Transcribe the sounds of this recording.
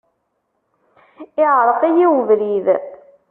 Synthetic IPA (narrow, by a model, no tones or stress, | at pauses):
ɪʕɾˤəqijiwvlið